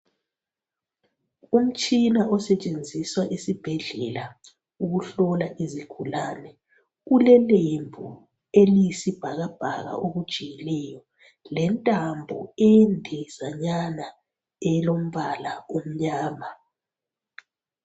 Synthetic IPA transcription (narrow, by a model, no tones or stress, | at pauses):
um̩t͡ʃʼinaɔsɛt͡ʃʼend͡zʱiswaʔisib̥ʱɛɮɛ̰la | uɣuɬɔlaʔiziɡ̥ʰʱulaːnɛ | ɣulɛlembʱu | elijisib̥ʱaɣab̥ʱa̰ɣa̰ʔoɣud̥ʒ̥ʱijɛlɛjɔ | lɛntʼambʱɔ̰ɛndʱɛzaɲana | ɛlom̩βalaum̩ɲaːma